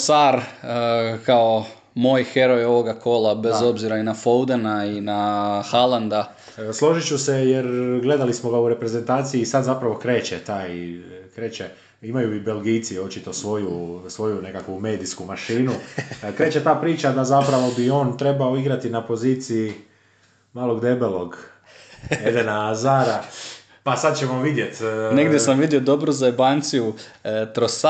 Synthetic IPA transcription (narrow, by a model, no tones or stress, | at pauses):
saɾ | kao | moːjxe̞ɾo̞jo̞ʋoɡako̞labezo̞bziɾainafowd̪enainaxaland̪a | slˠo̞ʒit͡ɕusejeɾɡle̞d̪alismo̞ɡauɾe̞pɾe̞ze̞nt̪aːt̪siiːsad̪zapɾaʋo̞kɾe̞ːt͡ʃet̪aːjkɾe̞ːt͡ɕe | imajuibe̞lɡiːt̪sio̞t͡ʃit̪o̞sʋo̞jusʋo̞june̞kakʋume̞ːd̪iskumaʃiːnukɾe̞ːt͡ʃe̞t̪aːpɾiːt͡ʃad̪azapɾaʋo̞bio̞ːnt̪ɾe̞baoiɡɾat̪inapo̞ziːt̪sii | maːlˠo̞ɡd̪e̞belo̞ɡ | ed̪enaːzaːɾa | pasad̪̚t͡ɕemoʋid̪je̞t̪neɡd̪ʲjesamʋid̪iod̪o̞bɾuzaebant̪sijut̪ɾos